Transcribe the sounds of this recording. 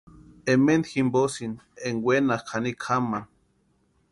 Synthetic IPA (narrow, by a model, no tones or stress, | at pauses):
emend̪ximbosineŋwenakʰanikʰaman